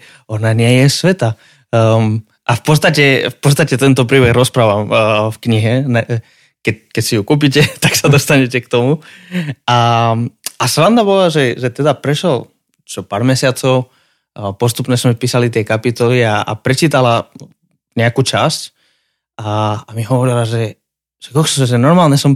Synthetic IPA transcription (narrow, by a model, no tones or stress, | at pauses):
ɔnaɲɪɛjɛsʋɛt̪a | ʔafpɔt̪st̪acɛfpɔt̪t͡sst̪acɛt̪ɛnt̪ɔpɾiːbɛɣɾɔspɾaːʋamfkɲiɦɛnɛ | kɛkɛcsijukuːp̬icɛt̪aksad̪ɔst̪aɲɛcɛkt̪ɔmu | a | asɾand̪abɔlaʒɛʒɛt̪ɛd̪apɾɛʃɛl | t͡ʃɔpaːɾmɛsɪat͡sɔʊ | pɔst̪upɲɛsmɛpiːsalit̪ɪɛkapit̪ɔliaʔa̰pɾɛt͡ʃiːt̪ala | ɲɛakuːt͡ʃasc | ʔaamiɦɔʋɔɾilaʒɛ | ʒ̥ɛkɔxsʒɛnɔɾmaːlɲɛsɔm